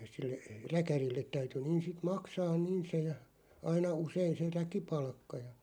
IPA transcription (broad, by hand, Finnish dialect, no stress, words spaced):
silːe rækærilːet̆ tæyty niːn̞ sit mɑksɑːn niːn se jɑ ɑinɑ usein̞ se rækipɑlkːɑ jɑ